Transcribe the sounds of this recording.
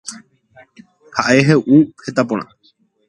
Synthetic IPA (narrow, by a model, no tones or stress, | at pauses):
haʔeɦeʔuhet̪apõɽ̃ã̰